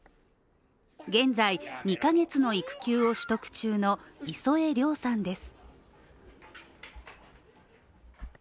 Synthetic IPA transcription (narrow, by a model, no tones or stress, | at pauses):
ɡẽ̞nd͡zaiɲ̟ikaɡe̞t͡sɨno̞ikɯ̟̥kʲɨːo̞ɕi̥t̪o̞kɯ̟̥t͡ɕɨːno̞iso̞e̞ɾʲo̞ːsãnd̪e̞sɨ̥